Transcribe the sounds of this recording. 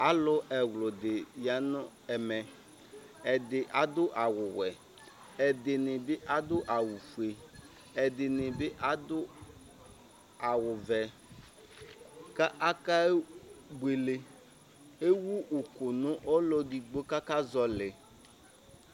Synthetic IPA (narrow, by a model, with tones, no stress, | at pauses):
a˨˦lʊ˦ʔɛ˨wlʊ˨d̪ɪ˨ja˨nʊ˦ | ɛ˨mɛ˨ | ɛ˨d̪ɪ˨ʔa˨d̪ʊ˦ʔa˨wʊ˨wɛ˨ | ɛ˨d̪ɪ˨nɪ˨bɪ˦ʔa˨d̪ʊ˦ʔa˨wu˨fu˨e˨ | ɛ˨d̪ɪ˨nɪ̃˨bɪ˦ʔa˨˦d̪ʊ˦ | a˨wʊ˨vɛ˨ | ka˦ʔa˦ka˦ɡ͡bwe˨le˦ | e˦wu˦ʔu˨kʊ˨nʊ̃˦ʔɔ˦lɔ˦di˨ɡ͡bo˦ka˦ka˦zɔ˦lɪ˨